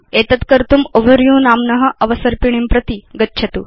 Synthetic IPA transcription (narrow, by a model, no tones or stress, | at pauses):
eːt̪ɐt̪kɐɾt̪umoʋəɾjũːnaːmnɐɦɐ̆ʔɐʋɐsɐɾpiɳ̃impɾɐt̪iɡɐtːɕʰɐt̪ṵː